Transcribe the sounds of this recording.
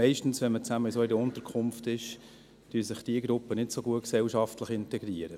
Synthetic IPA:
ɛɪʃtn̩sʋɛnmət͡sæməisoɪdəʊntəɾkʰʊmftɪʃ | d̥yːsɪχd̥iəɡɾʊpːənɪtsoɡuətksɛlʃɑftləχɪntɛɡɾiəɾə

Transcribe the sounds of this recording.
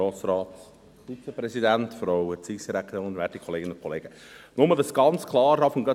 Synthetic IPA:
ɑːt͡sɾɑːt | fit͡səpɾɛsidæntfɾowət͡sisd̥iɾækt̪ʊnvʋɛtikʰɔleːɡənʊnkʰɔleːɡə | nʊmədəsɡ̥ɑnt͡skʰlɑːɾdɑfɔnɡœ

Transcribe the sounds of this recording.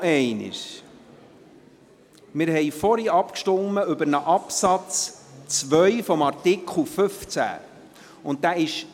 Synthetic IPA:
ɛɪnə̰ʃ | mɪɾɦɛjfɔɾiɑpkʃtɔmːəʉbəɾnəʔɑpsɑt͡st͡sʋœʏfɔmɑrtɪkʰχl̩ˠføft͡sæ̰ | ʊnt̚dæɪʃ

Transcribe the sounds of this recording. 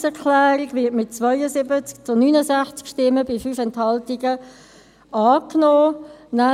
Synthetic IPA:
sɛkʰlæːɾiɡvɪːtmɪt̚t͡svœʏəzɪbət͡sk̚t͡sʊnyːnəzæχt͡skʃtɪmːəbifyːfɛnthɑltiɡə | ʔɑːknɔːnæ

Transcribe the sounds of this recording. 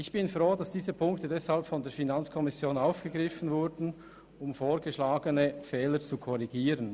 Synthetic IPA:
ʔɪçb̥ɪnfʁoːdɑsd̥iːzəpʰʊŋktədɛshalpfɔndeːɐfinɑnt͡skʰɔmɪsjoːnaʊfɡ̥əɡʁɪfən̩vʊɾdn̩ | ʊmfoːɾɡəʃlaːɡənəfɛːləɾt͡sukʰɔɾiɡiːɾən

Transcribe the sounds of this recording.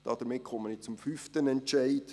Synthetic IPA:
d̥ɑd̥̪əmɪtkʰɔmːənɪt͡sʊmfyft̪ənɛntʃæɪd̥

